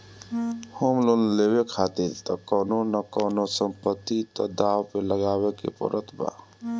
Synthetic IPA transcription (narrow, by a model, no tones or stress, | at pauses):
homlonlebekʰat̪iɾt̪ɔkɔnonəkɔːnosəmpət̪ːit̪ɔd̪awpeləɡaːbekḛpə̰ɾət̪ʰba̰